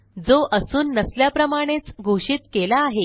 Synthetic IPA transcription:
d͡zoʔəsuːnːəsljapɾəmaɽ̃et͡sɡʱoʂiːt̪kelaːɦe

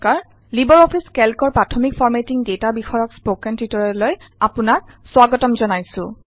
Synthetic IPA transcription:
kaɹ | libɔɹɔpʰiskɛlkɔɹpɹatʰɔmikfʰɔɹmetiŋdetabixɔjɔkspokɛntitɔɹɔlojapʊnak̚ | swaɡɔtɔmzɔnajsʊ̃

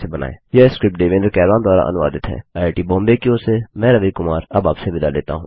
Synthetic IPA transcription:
ebɐna̰ːḛːjɐskɾɪp̚ʈ̚ɖeːʋeːnəɾkɛːɾʋaːnd̪waːɾa̰ʔɐ̰nʊʋa̰ːd̪ɪt̪ɦɛ̰ːaːʈibɔ̃ːmbekiosemɛ̃ːɾɐʋikʊmaːɾɐbaːpseʋɪd̪alḛːt̪a̰ɦṵ̃ː

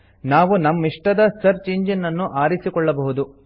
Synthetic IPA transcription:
naːʋunɐmːiʂʈɐd̪ɐsɐɾt͡ʃeːɲd͡ʒɐnːɐnːuʔaːɾisikɔɭːɐbɐɦud̪u

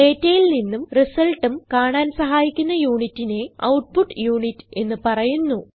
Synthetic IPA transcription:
e̞ːtːɐjilninːumrisɐlʈːumkaːɳaːnsɐɦaːjikʲːunːɐjuːɳitːine̞ɐ̰wʈ̚puʈːjuːɳitːɨ̥e̞nːɨpɐrɐjunːu

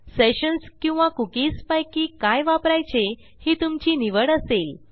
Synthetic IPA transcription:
seɕənskĩw̃ʋãkukiːspajkiːkajʋapɾajt͡ɕe | hiːt̪umt͡ɕiːniʋəɽəsel

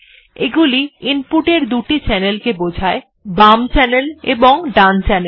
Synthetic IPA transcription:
eɡuliinpuʈeɾd̪uʈit͡ɕɛnelkebod͡ʑʱae | bamt͡ɕɛnelḛboŋɖant͡ɕɛnel

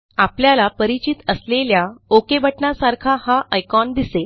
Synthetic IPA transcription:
apljalapəɾit͡ɕit̪əsleljaokebəʈɳasaɾkʰahaʔəjkɔnd̪isel

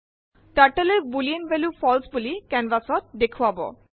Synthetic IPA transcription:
ʈaɾʈəlebulinvɛlufɔlsbulikɛnbasɔɾd̪ekʰuwabo̰

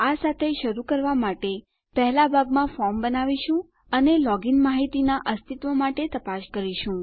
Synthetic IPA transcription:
asat̪ʰeʃəɾukəɾʋamaʈe | pɛɦɛlabʱaɡmãfɔɾmbənaʋiʃũ | ənelɔɡinmaɦit̪inaʔəst̪ʰit̪ʋomaʈet̪əpaʃkəɾiʃũ

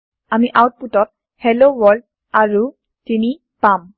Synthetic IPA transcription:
amiʔawt̚putɔt̚ | hɛlowɔɹld̚ | aɹu | tini | pam

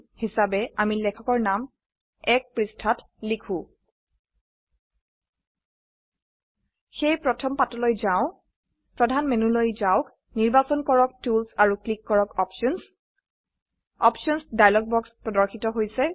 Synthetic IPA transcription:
hisabɛamilɛkʰɔkɔɹnam | ɛk̚pɹistʰat | likʰũ | xejpɹɔtʰɔmpatɔlojzaʊ̃ | pɹɔdʱanmɛnulojzaʊk | niɹbasɔnkɔɹɔk̚tulsaɹuklikːɔɹɔkɔpʃɔns | ɔpʃɔnsdajlɔɡ̚bɔkspɹɔdɔɹxʰitɔɦojsɛ

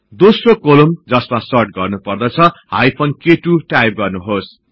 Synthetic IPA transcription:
d̪osrokolumd͡zʌsmasʌrʈ̚ɡʌrnupʌrd̪ʌt͡sʰʌhajpʰonkeʈuʈajp̚ɡʌrnuɦos

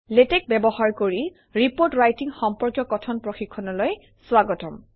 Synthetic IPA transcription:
letɛk̚bɛbɔhaɹkoɹi | ɹipoɹtɹajtiŋxɔmpɔɹkjɔkɔtʰɔnpɹoxikʰːɔnɔloj | swaɡɔtɔm

